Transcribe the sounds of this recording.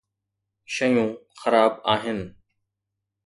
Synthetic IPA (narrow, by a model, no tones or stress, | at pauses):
ʃəjũːxəɾaːbaːɦɪn